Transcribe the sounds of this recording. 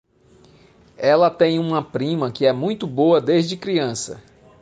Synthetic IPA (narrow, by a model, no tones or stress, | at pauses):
ɛlɐt̪ẽj̃ũmɐpɾĩmɐkɪɛmũj̃t̪ʊboɐd̪ezd͡ʒɪkɾiɐ̃sɐ̰